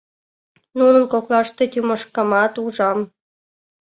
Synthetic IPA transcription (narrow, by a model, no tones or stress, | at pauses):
nunə̆nkoklɑʃt̪et̪ʲuməʃkɑmɑt̪uʒɑm